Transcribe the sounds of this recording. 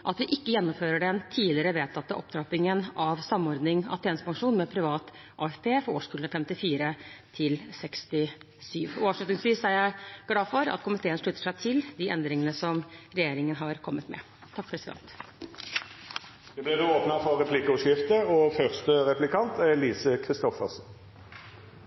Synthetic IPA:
ʔɑt̪ʋɪʔɪkːəjɛnːʊmføːɾəɖɛnt̪ʰiːlɪɾəʋeːt̪ʰɑt̪ːəʔɔ̰p̚ːd̪ɾɑpɪŋənɑʋsɑmːɔɾd̪nɪŋɑ̰t̪ʰeːnəspʰɑŋʂuːnmɛpʰɾɪʋɑːt̪ | ʔɑːɛfpʰeːfɔɾo̰ːʂkʉːlnəfɛmt̪ɪfiːɾət̪ʰɪlsɛkst̪ɪ | syːʋɔɑːʋʂɭʉt̪nɪŋsʋiːsæɾjæɪɡ̥lɑːfɔɾɑ̰t̪kʰʊmɪt̪ʰeːənʂɭʉt̪ːəʂæɪt̪ʰɪld̪ɪʔɛ̰nd̪ɾɪŋənəsɔmɾɛjeːɾɪŋənɦɑɾkʰɔmːət̪mɛ̰ | t̪ʰɑk̚ːpʰɾɛsɪd̪ɛ̰nt̪ | ʋɪblɪd̪uoːpnɑfɔʁʁɛpʰlɪkəɔʃkɪft̪əɔfœʁst̪əʁɛplɪkʰɑnt̪ʰæliːsəkʰʁɪst̪ɔfəʁsn

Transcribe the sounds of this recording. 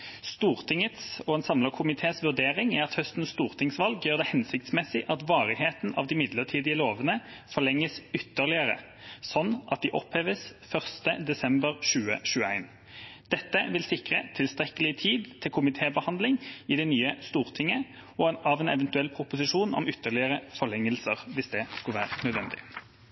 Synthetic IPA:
st̪uːʁt̪ʰɪŋːət̪sɔɛnsɑmləkʰʊmɪt̪ʰeːsʋʉʁd̪eːʁɪŋæɾɑt̪hœst̪n̩sst̪uːʁt̪ʰɪŋsʋɑlɡjøːʁd̪ɛhɛnsɪk̚t̪smɛsɪʔɑt̪ʋɑːʁɪheːt̪n̩ɑ̰ʋd̪ɪmɪd̪ləʁt̪ʰiːd̪ɪəloːʋənəfɔlɛŋːəsʏt̪ːəʁlɪəʁə̰ | sɔnːʔɑ̰t̪̚d̪ɪʔɔ̰pheːʋəsfœʁst̪əd̪ɛsɛmbəʁʃʉːə̰ʃʉːəæ̰ɪn | d̪̥ɛt̪ːəʋɪlsɪkʁət̪ʰɪlst̪ɾɛkəlɪt̪ʰiːd̪t̪ʰːɪlkʰʊmɪt̪ʰeːbəhɑnd̪lɪŋɪd̪ɛnyːəst̪uːʁt̪ʰɪŋːə | ɔɑʋɛnɛ̰ʋɛnt̪ʉɛlːpʰɾʊpʊsɪʂuːnɔ̰mʏt̪ːəʁlɪəʁəfɔlɛŋːəlsəʁʋɪsd̪ɛskɑlʋæːʁnœd̪ʋɛnd̪ɪ̰

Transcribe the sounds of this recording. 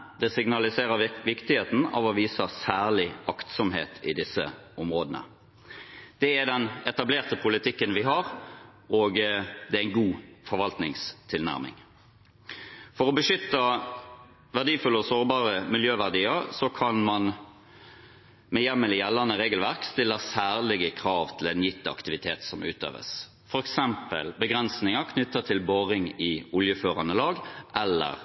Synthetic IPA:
d̪̥ɛsɪɡnɑlɪseːʁəʋɪkt̪ɪheːt̪n̩ɑ̰ːʋɔʋiːsəsæːʁlɪɑkt̪sɔmɦḛːt̪ʰɪd̪ɪsːə̰ʊmʁoːd̪ənə̰ | d̪̥ɛæd̪ɛnɛt̪ɑbleːʁt̪əpʰʊlɪt̪ʰɪkːənʋɪɦɑʁoːɡd̪ɛææɪnɡuːfɔʁʋɑlt̪nɪŋst̪ʰɪlnæ̰ʁmɪ̰ŋ | fɔʁɔbəʂʏt̪ːə | ʋæʁdiːfʉlːɔsoːʁbɑːʁəmɪljøːʋæʁd̪iːəɾsɔkʰɑnmɑn | mɛjɛmːəlɪjɛlːɑnəʁeːɡəlʋæʁkst̪ɪlːəsæːʁlɪɡəkʰʁɑːʋt̪ʰɪlɛnjɪt̪ːəɑ̰kt̪ɪʋɪt̪ʰeːt̪sɔmʉːt̪ø̰ːʋə̰s | fɔɾɛksɛmpə̰lbəɡʁɛnsnɪŋəkʰnʏt̪ːət̪ʰɪlboːʁɪŋɪʊljəføːʁɑnəlɑːɡʔɛlːə̰ʁ

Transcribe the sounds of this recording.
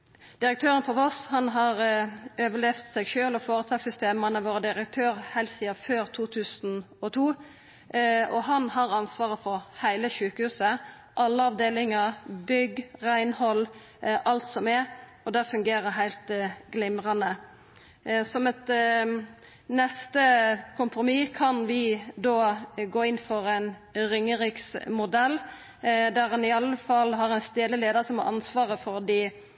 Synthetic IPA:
d̪̥ɪɾək̚t̪ʰøːɾənfɔʋɔshɑnɦɑʁøːʋəlɛft̪sɛɪɡʃøːlɔfoːʁət̪ʰɑːksʏst̪eːmɑnəʋoːɾəd̪ɪɾək̚t̪ʰøːʁhæɪlsiːɑføːɾt̪ʰuːt̪ʰʉːsn | ɔt̪ʰuː | ɔɦɑnhɑʁɑnsʋɑːʁəfɔʁhæɪləʃʉːkəhʉːsə | ʔɑlːəɑʋd̪eːlɪŋəʁbʏɡʁæɪnhɔlː | ʔɑlt̪sɔmɛ | ɔd̪æʁfʉŋɡeːɾəɾɦæɪlt̪ɡ̥lɪmɾɑnə | sɔmɛt̪ | nɛst̪əkʰʊmpɾʊmiːkʰɑnʋɪd̪oːɡoːɪnfɔɾɛɪnɾʏŋːəɾɪksmʊd̪ɛlː | d̪æʁhɑnɪɑlːəfɑlːɦɑʁɛɪnst̪eːd̪əleːd̪əʁsɔmɑ̰ʁɑ̰nsʋɑːʁəfɔɾd̪i

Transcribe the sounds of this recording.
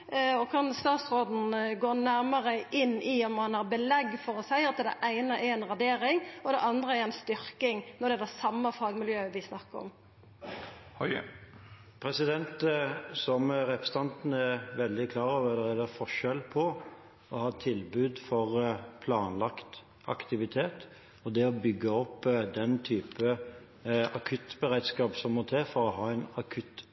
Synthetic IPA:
ɔkʰɑnst̪ɑːt̪sʁoːd̪n̩ɡoːnæɾməɾəʔɪnːɪɔmːɑnhɑʁbəlɛɡːfɔɾɔsæɪɑt̪d̪ɛ̰ʔæɪnəʔɛɾɛnʁɑd̪eːɾɪŋɔd̪ɛʔɑnd̪ʁəɛɾɛnst̪ʏɾkɪŋnɔd̪ɛd̪ɛsɑmːəfɑːɡmɪljøːʋɪsnɑkːəɔ̰m | pʰɾɛsɪd̪ɛnt̪sɔmɾɛpɾəsət̪ɑnt̪n̩ɛʋɛld̪ɪkʰlɑːɾɔʋəɛd̪əɾɛlɛfɔʂɛlpʰɔ | ɔhɑːt̪ʰɪlbʉːd̪fɔʁpʰlɑːnlɑkt̪ | ʔɑ̰kt̪ɪʋɪt̪ʰeːt̪ | ɔd̪ɛɔbʏɡːəɔpːd̪ɛnt̪ʰyːpə | ɑkʰʉt̪bəɾed̪skɑːpsɔmːɔt̪ʰeːfɔɾɔɦɑːɛɪnɑkʰʉt̪ː

